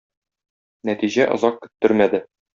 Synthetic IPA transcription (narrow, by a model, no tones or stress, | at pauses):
næt̪iʑæʔŏzɑq̚kɵ̥̆t̪ːɵɾmæd̪ɘ